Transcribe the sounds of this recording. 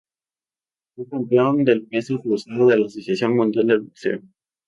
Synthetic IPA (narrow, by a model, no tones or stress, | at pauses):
fekampeond̪elmesokɾusaðoðe̞laːsosjasjoŋmũnd̪jald̪elbuksḛo